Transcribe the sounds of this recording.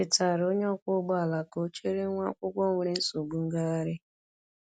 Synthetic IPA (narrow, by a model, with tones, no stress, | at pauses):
ɪ˨ta˨ɾo˦ɲ˦ɔ˦kʷʊ˦ɡ͡bɔ˦a˨la˨ko˦t͡ʃe˦ɾe˦ŋʷa̰˦kʷʊ˦ɡʷɔ˦ŋʷe˨ɾe˦n̩˦so˨ɡ͡bu˦ŋ̩˦ɡa˦a˦ɾɪ˦